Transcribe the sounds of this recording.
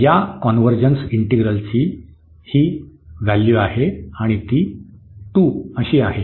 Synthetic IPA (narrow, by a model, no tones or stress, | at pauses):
jakɔnʋəɾd͡ʑənsiɳʈiɡɾəlt͡ɕiː | hiːʋalːjuaɦeaɽ̃it̪iːʈuəɕiːaɦe